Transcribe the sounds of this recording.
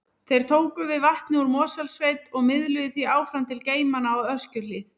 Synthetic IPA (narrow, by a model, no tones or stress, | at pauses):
θejɾ̥t̪ʰoːwkʏvɪðvaht̪nɪuɾmɔːsalsvejt̪ɔɣmɪðlʏðɪθiaːwfɾamt̪ʰɪlceːjmanaɔœscʏlɪːθ